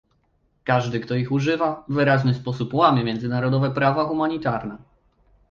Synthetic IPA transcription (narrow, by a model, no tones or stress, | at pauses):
kaʐd̪ɘkt̪ɔixuʐɘvavɘɾaʑnɘspɔsupwamʲjɛmʲjɛnzɘnaɾɔd̪ɔvɛpɾavaxumaɲit̪aɾnɛ